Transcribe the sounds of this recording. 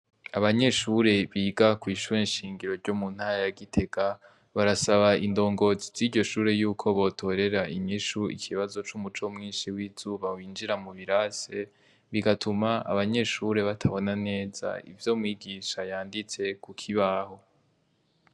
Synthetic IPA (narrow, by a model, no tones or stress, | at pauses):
aβaɲe̞ʃuɾe̞βiːɡakwiːʃuɾenʃiːŋɡiɾo̞ɾɟomun̥haɾajaɡitʰe̞ɡ̥a | βaɾasaβaindo̞ːŋɡo̞ziz̥iɾɟo̞ʃuːɾe̞juːkʰo̞βo̞tʰo̞ɾe̞ɾaiɲiʃuḭkʰiβazo̞t͡ʃumut͡ʃo̞mŋiːnʃiwiz̥uːβawiːnd͡ʒiɾamuβiɾase̞ | βiɡatʰumaa̰βaɲe̞ʃuːɾe̞βatʰaβo̞nane̞ːz̥a̰ḭvjo̞ːmŋiːɡiʃajaːndit͡se̞kukʰiβaːho̞